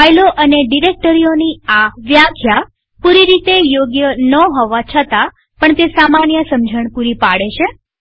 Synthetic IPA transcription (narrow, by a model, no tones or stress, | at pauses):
ajloʔəneɖiɾek̚ʈəɾijoniaʋjakʰja | puɾiɾit̪ejoɡjənəɦɔʋat͡ʃʰət̪a | pəɳt̪esamanjəsəmd͡ʒʱəɳpuɾipaɽet͡ʃʰe